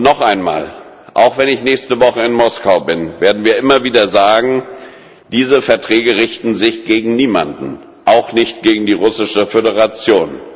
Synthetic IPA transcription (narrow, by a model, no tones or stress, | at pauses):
nɔχʔaɪnma̰ːl | ʔa̰ʊxv̥ɛnɪçnɛːçstəvɔχəɪnmɔskaʊbɪnveːɐdn̩viːɐʔɪmɐviːdɐzaːɡŋ̩ | d̥iːzəfɛɐtʁ̥ɛːɡəʁɪçtn̩zɪçɡ̥eːɡŋ̩niːmandn̩ | ʔaʊxnɪçt̚ɡ̥eːɡŋ̩diːʁʊsɪʃəfødəʁat͡sjoːn